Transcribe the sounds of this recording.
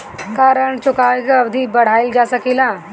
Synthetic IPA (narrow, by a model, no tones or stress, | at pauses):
kaːɾəɳt͡ʃʊkaːekaɐbd̪ʱibɐɽ̤aːɪld͡ʒaːsɐkilãː